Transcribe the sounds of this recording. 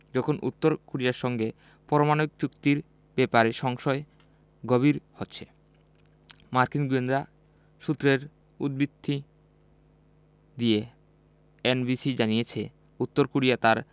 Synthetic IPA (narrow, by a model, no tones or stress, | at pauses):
d͡ʑɔkʰonʔṵt̪ːoɾkoɽijaɾʃɔŋɡe | pɔɾomanoikjukt̪iɾ | bepaɾeʃɔŋʃɔe | ɡoβiɾhotːɕʰe̥ | maɾkinɡuend̪ɾa | ʃut̪ːɾeɾ | ud̪̚bid̪ʱːi | d̪ije | enbisid͡ʑanijet͡ɕʰe | ut̪ːoɾkoɾijat̪aɾ